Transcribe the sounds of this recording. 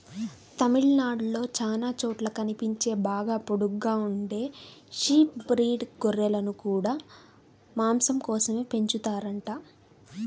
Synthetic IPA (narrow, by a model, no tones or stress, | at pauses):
t̪ɐmiɭnaːɖlo̞ːt͡ʃaːnaːt͡ʃɔːʈlɐkɐnipiɲt͡ʃe̞ːbaːɡaːpoɽuɡːaːuɳɖe̞ːʃiːp̚bɾiːɖɡoɾɛlɐnukuːɽaː | maːmsɐmkɔːsɐme̞ːpe̞ɲt͡ʃut̪aːɾɐɳʈaː